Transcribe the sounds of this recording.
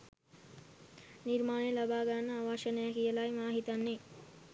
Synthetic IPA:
niɾmaːɳejlabaːɡanːəaʋaʃənəjakijəlajmaːɦit̪anːe

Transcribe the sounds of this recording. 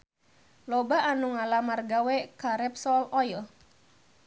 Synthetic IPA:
lɔbaːnuŋalamarɡawɛkaɾɛpsɔlɔjil

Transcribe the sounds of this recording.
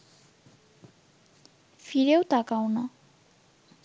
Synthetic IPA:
fiɾewt̪akawna

